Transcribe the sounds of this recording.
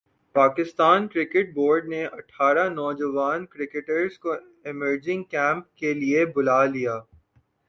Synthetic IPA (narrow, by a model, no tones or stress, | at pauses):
paːkɪst̪aːnkɾɪkɪʈ̚boːɾɖneʔɐʈʰːaːɾanɔːd͡ʒəʋaːnkɾɪkɪʈəɾzko | ɪməɾd͡ʒɪ̃ŋɡkɛ̃ːmp̚keliebʊlaːlijaː